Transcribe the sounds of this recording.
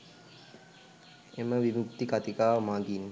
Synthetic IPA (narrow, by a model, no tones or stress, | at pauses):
eməʋimukt̪ikat̪ikaːʋəmaːɡinː